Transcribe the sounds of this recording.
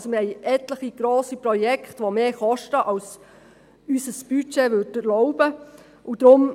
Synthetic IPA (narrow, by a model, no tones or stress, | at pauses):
somɪhɛɪʔɛtləχiɡ̥ɾoːsipɾɔjɛkχtʋomeːχɔʃtəʔɑls | ysəsb̥yt͡ʃeʋødəɾlɔʊbə | ʔʊd̥̪ɾʊm